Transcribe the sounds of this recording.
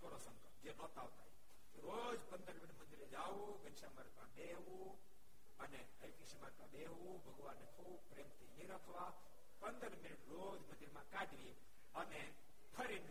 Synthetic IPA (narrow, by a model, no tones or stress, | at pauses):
kəɾosə̃ŋkəd͡ʒenɔt̪awt̪ai | k̪iɾod͡ʒpənd̪əɾminʈmənd̪iɾed͡ʒau | ɡənsaməɾkabe | u | əne | əɾkisimaɾkabe | u | bəɡwanikʰu | pɾemt̪iniɾəkʰʋa | pənd̪əɾminəʈɾod͡ʒmə̃nd̪iɾmakaɖʋi | əne | pʰəɾin